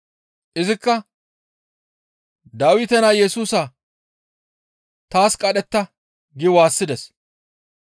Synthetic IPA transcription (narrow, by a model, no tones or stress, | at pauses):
ʔɪzɪkːɐ | d̪aːwɪt̪ɛnaːjɛsuːsɐa | t̪aːskʼɐɗɛt̪ːɐ | ɡɪwaːsːɪd̪ɛs